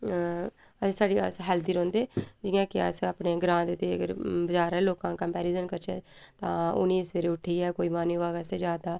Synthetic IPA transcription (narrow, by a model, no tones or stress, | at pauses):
əsaːɖiːa̰sɦɛːld̪iːɾɔ̃ːnd̪eːd͡ʒɪjãːkɪa̰saːpneːɡɾãːnd̪t̪eːəɡəɾbəd͡ʒaːɾɛːloːkãːkəmpɛːɾiːzənkəɾt͡ʃɛ̰ːt̪ã̰ːʊ̰nːiːsʋeːɾeːʊʈʰiːɛːkoːiːmaːniːaːkɛːsed͡ʒjaːd̪aː